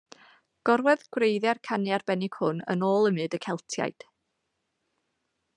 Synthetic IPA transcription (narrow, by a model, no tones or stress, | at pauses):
ɡ̥ɔrwɛðɡ̥wreɨðjarkʰanjarbɛnɪɡ̥hʊnə̰noːlˠəmɨdəkʰɛlˠtʰja̰jd̥